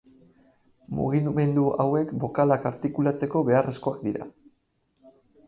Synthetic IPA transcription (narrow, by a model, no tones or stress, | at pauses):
mṵɣime̞nd̪uʔawe̞kbo̞kalakaɾt̪ikulat͡se̞ko̞βe̞are̞sko̞akd̪iɾa̰